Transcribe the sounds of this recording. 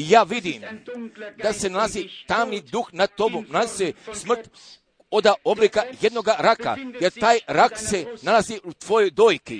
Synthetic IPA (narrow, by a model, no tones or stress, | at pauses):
jaːʋid̪iːm | d̪̥ase̞nalazit̪aːmnid̪uxnat̪o̞bunalazisesmr̩t̪ | od̪aʔoblikaje̞d̪no̞ɡaɾaka̰jeɾt̪aːjɾakse̞nalaziut̪ʋo̞jojd̪oːjki